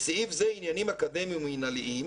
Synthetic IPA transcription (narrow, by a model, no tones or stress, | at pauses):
siifzɛinjanimakad̪ɛmimuinaliʔim